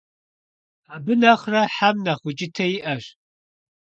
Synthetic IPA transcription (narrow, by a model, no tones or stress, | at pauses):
abɨnɐχrɐħamnɐχʷʊt͡ʃʼɪtʰɐjiʔɐʃ